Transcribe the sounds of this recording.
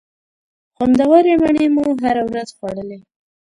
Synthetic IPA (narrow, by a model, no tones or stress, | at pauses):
xand̪awɑɾemaɳemuɦaɾawɾazxwɑɽəle